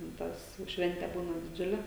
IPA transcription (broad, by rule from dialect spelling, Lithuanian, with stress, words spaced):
tʲɛn ˈtɐs jɛʊ ˈʃʲʋʲɛnʲtʲɛ ˈbuːnɐ dʲɪˈd͡ʒʲʊlʲɛ